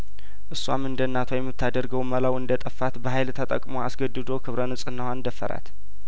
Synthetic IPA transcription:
ʔɨsːwa̰mɨnd̪ənːat̪ʰojɛmːɨt̪ʰːad̪əɾɡəwməlawɨnd̪ət̪ʼəfːat̪bəɦajlt̪ʰət̪ʼə̰kʼmoa̰sɡəd̪ːɨd̪o̞kʰɨβɾənɨsʼɨnːəhand̪əfːə̰ɾa̰t̪

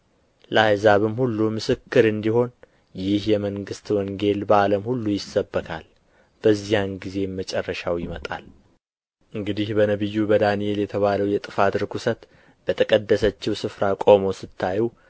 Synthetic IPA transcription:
ləajzaβɨmhulːumɨsɨkːɨɾɨnd̪iho̞n | jɪhjɛməŋɡɨst̪wɔŋɡe̞lbəaləmhulːujɪsːəbːəkʰa̰l | b̥əzːijanɡize̞mət͡ʃʼɛrːəʃawjɪmət̪ʼa̰l | ʔɨŋɡɨd̪ihbənəβɨjːubəd̪anie̞ljɛt̪ʰəβaləwjɛt̪ʼɨfat̪ɾɨkʰusət̪ | b̥ət̪ʰəkʼəd̪ːəsət͡ʃːɪwsɨfɾakʼo̞mo̞sɨt̪ʰːajɛw

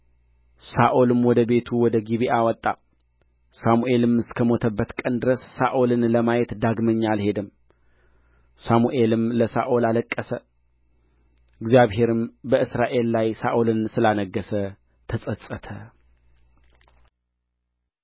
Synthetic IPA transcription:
saʔolɨmwɔd̪əbe̞t̪ʰuwɔd̪əɡiβiʔawɔt̪ʼːa | samuʔe̞lɨmɨskʰəmo̞t̪ʰəbːət̪kʼənd̪ɨɾəsːaʔolɨnləmajɛt̪d̪aɡməɲːalhe̞d̪ɨm | samuʔe̞lɨmləsa̰ʔolaləkʼːəsə | ɨɡzijaβɦe̞ɾɨmbəɨsɾaʔe̞llajsaʔolɨnsɨlanəɡːəsə | t̪ʰəsʼəsʼət̪ʰə

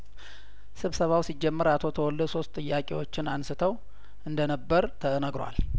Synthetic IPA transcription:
sɨβsəβawsid͡ʒːɛmːəɾat̪ʰo̞t̪ʰəwɔlːəd̪so̞st̪ʼɨjːakʼewo̞t͡ʃːɪnansɨt̪ʰəw | ʔɨnd̪ənəbːəɾt̪ʰəənəɡɾwa̰l

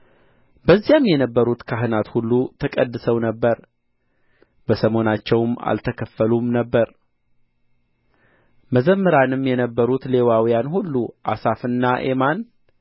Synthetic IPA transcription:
bəzːijamːjɛnəbːəɾut̪kʰaɦɨnat̪hulːut̪ʰəkʼəd̪ːɨsəwnəbːəɾ | bəsəmo̞nat͡ʃːɛwma̰lt̪ʰəkʰəfːəlumnəbːəɾ | məzəmːɨɾanɨmːjɛnəbːəɾut̪le̞wawijanhulːuʔa̰safɨnːaʔe̞̰man

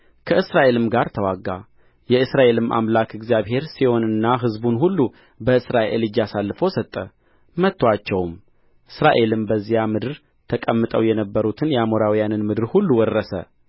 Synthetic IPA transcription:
kʰəɨsɾaʔe̞lɨmɡaɾt̪ʰəwaɡːa̰ | jɛɨsɾaʔe̞lɨmʔa̰mlakʰɨɡzijaβɦe̞ɾsiho̞nɨnːaɦɨzbunɦulːu | bəɨsɾaʔʔḛlɨd͡ʒasalːɨfəwsət̪ʼːə | mət̪ːwat͡ʃːɛwm | ʔɨsɾaʔe̞lɨmbəzːijamɨd̪ɨɾ | t̪ʰəkʼəmːɨt̪ʼəwjɛnəbːəɾut̪ʰɨnjɛamoɾawijanɨnmɨd̪ɨɾhulːuwɔrːəsə̰

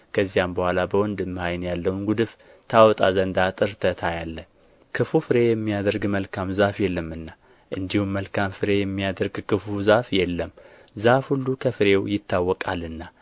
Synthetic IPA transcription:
kʰəzːijambəhʷalabəwɔnd̪ɨmːhajnjalːəwnɡud̪ɨf | t̪ʰawɔt̪ʼazənd̪at̪ʼɨɾt̪ʰət̪ʰajalːə | kʰɨfufɨɾe̞jɛmːijad̪əɾɡməlkʰamzafjɛlːəmːɨnːa | ʔɨnd̪ihumːəlkʰamfɨɾe̞jɛmːijad̪əɾɡkʰɨfuzafjɛlːəm | zafhulːukʰəfɨɾe̞wjɪt̪ːawːɔkʼalɨnːa

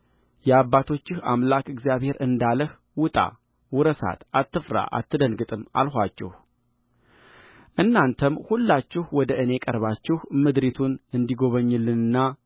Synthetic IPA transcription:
jɛaβːat̪ʰo̞t͡ʃːɪha̰mlakɨɡzjaβhe̞ɾʔɨnd̪aləh | wʊt̪ʼa̰ | wʊɾəsa̰t̪at̪ːɨfɾa̰ʔa̰t̪ːɨd̪ənɡɨt̪ʼɨma̰lhʷat͡ʃːɛ̰h | ʔɨnːant̪ʰəmhulːat͡ʃːɪhwɔd̪əʔɨnekʼəɾβat͡ʃːɛhmɨd̪ɾet̪ʰunɨnd̪iɡo̞βəɲːɨlːɨnɨnːa

